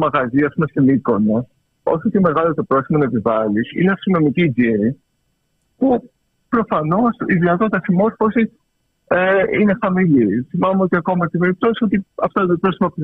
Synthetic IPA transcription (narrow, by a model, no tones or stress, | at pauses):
mɐɣɐziɐspumest̪iniko̞nɐ | o̞çot̪eme̞ɣɐlot̪o̞pɾo̞simonɐepivɐlisḭneɐst̪inomicid͡ziɾi | pu | pɾo̞fɐno̞siðinɐt̪o̞t̪it̪ɐsimo̞ɾfo̞sis | eine̞xɐmiliθimɐmeo̞t̪iɐko̞mɐt̪ibe̞ɾip̚t̪o̞sio̞t̪iɐft̪oðepɾosimɐp